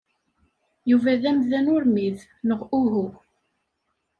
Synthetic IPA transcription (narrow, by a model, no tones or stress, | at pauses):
juvæðæmðænʊɾmið | nəʁuɦu